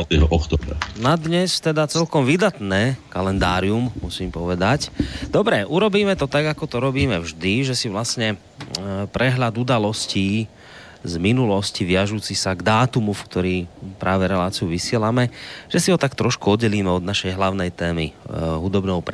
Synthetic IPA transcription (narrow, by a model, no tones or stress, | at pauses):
ɛɦɔʔɔkt̪ɔːbɛ̰nad̪ɲɛst̪ɛd̪at͡sɛlkɔmʋid̪at̪nɛːkalɛnd̪aːɾiummusiːmpɔʋɛd̪acd̪ɔbɾɛʔuɾɔbiːmɛt̪ɔt̪aɡakɔt̪ɔɾɔbiːmɛvʒd̪iʒɛsiʋlasɲɛ | pɾɛɦʎad̪ud̪alɔsciː | zminulɔsciʋɪaʒuːt͡sisaɡd̪aːt̪umufkt̪ɔɾiːpɾaːʋɛɾɛlaːt͡siuʋisɪɛlamɛʒ̥ɛsiɦɔt̪akt̪ɾɔʃkuɔd̪ɟɛliːmɛɔd̪naʃɛjɦlaʊnɛjt̪ɛːmḭɦud̪ɔbnɔʊp